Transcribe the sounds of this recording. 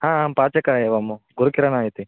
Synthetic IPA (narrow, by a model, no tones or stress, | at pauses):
ɦãːɦapaːt͡ʃɐkɐjeʋɐmːuɡuɾukiɾɐnaːjit̪i